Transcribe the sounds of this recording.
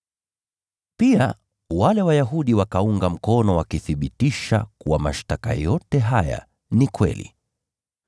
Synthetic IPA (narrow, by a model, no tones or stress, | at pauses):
pia | walɛwajaɦuɗiwakauŋɡam̩kɔnɔwakiθiɓitiʃa̰kuwama̰ʃtaka̰jɔtɛɦaja̰ | nikwɛ̰lḭ